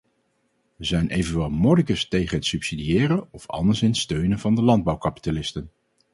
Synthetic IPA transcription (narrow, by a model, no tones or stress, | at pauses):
ʋəzɛjnʔejvənʋɛlˠmɔdɪkəstejχənɦətsypsidijɪːrəɔfɑ̰ndəɹsɪnətstøɥnənvɑndəlɑnd̚bɑwkɑpi̥talɪstən